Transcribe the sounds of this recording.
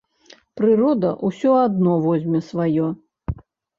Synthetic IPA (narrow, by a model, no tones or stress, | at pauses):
pɾɨrɔd̪ɐ̰ʔusʲɔad̪nɔvɔzʲmʲɛsvajɔ